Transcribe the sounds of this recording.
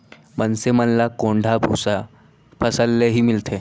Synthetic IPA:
mənsemənlakoɳɖʱabʱṵsa | pʰəsəlːeɦiːmilt̪ʰe

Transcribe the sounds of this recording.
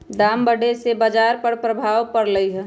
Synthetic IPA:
d̪aːmbəɖesebəd͡ʒaːɾpəɾpɾəbʱaːwpəɾləiɦɛ̃

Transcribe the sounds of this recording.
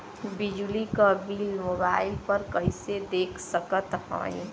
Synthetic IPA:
bid͡ʒulikəbiːlmobaːɪlpəɾkəised̪eːkʰsəkət̪ɦɔ̰̃ĩ

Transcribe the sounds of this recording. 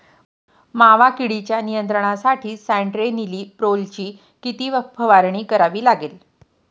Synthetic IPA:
maʋakiɽit͡ɕjanijənt̪ɾəɳ̃asaʈʰiːsæɳʈɾeniliːpɾolt͡ɕiː | kit̪iːʋəpʰːəʋaɾɳiːkəɾaʋiːlaɡel

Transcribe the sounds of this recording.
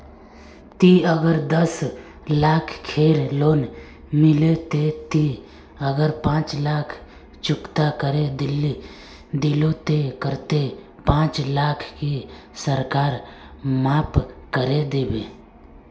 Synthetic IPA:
t̪iəɡəɾd̪əs | laːkʰkʰeːɾloːn | mɪlet̪et̪i | əɡəɾpãːt͡ʃlaːkʰ | t͡ʃʊkt̪akəɾed̪ɪlːi | d̪ɪlot̪ekəɾt̪e | pãːt͡ʃlaːkʰki | səɾkaːɾ | maːpkəɾed̪eːbeː

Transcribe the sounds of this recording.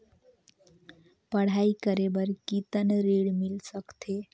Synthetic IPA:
pəɽ̤aikəɾebəɾkit̪ənɾiɽmilsəkt̪ʰe

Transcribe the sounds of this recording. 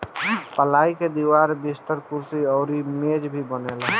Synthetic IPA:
pəlaːiked̪iwaːɾbɪst̪əɾkuɾsiɔːɾimeːd͡ʒbʱibənel

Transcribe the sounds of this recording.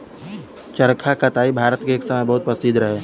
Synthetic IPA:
t͡ʃəɾkʰakɐt̪aːibʱaːɾət̪keeːksɐməjbɐɦʊt̪̚pəsɪd̪ɾɐɦeː

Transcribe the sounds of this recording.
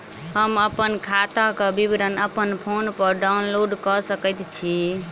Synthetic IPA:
həməpənkʰat̪akebibɾənəpənpʰonpəɾɖaunloɖkɔsəkət̪t͡ʃʰi

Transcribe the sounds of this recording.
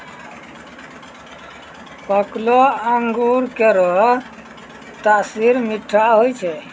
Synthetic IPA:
pəkloəŋɡuɾkeɾɔ | t̪asiɾmiʈʰːaɦojt͡ʃʰɛ

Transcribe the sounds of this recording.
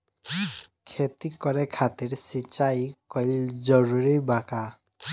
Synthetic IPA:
kʰet̪ikɔɾɛkʰat̪iɾsit͡ʃajkɔjld͡ʒɔɾuɾibaka

